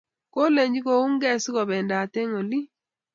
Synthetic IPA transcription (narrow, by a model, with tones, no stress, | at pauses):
ko˦le˨ɲd͡ʒi˦ko˨u˦ŋɡɛ˦sɣɔ˨bɛ˨nda˨te˦ŋo˨li˦